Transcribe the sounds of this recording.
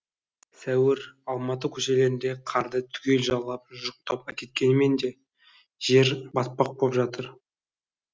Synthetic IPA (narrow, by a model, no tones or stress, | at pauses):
sæwɪɾɑlˠmɑt̪̬əkʲʰɵʃe̞le̞ɾɪnd̪e̞qʰɑɾd̪ət̪ʰʏ̥kʲe̞lʒɑllːɑp̚ʒʒʊq̚t̪ɑpækʲe̞t̪̚kʲe̞nɪme̞nd̪e̞ | ʒ̥e̞ɾbɑs̚pɑq̚bopʒɑt̪əɾ